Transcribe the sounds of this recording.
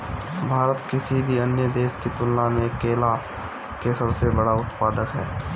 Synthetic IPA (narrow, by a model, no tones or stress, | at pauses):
bʱaːɾət̪kɪsibʱiənjəd̪eːʃkit̪ʊlnamẽkeːla | keːsəɾsebɐɽaʊt̪paːd̪əkɦɛ̰ː